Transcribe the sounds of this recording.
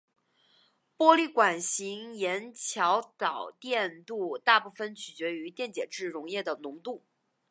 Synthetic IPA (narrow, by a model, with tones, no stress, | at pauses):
pwɔ˥li˥˩kwa˨˩nɕi˧˥ŋjɛ˧˥nt͡ɕʰjɑ˧˥ʊt̪ɑ˨˩ʊt̪jɛ˥˧nt̪u˥˧t̪a˥˧pu˥˩fə˧nt͡ɕʰy˨˩t͡ɕɥɛ˧˥y˧˥t̪jɛ˥˩nt͡ɕjɛ˨˩ʈ͡ʂɻ̩˥˩ɻʊ˧˥ŋjɛ˥˩d̪ə˩nʊ˧˥ŋt̪u˥˩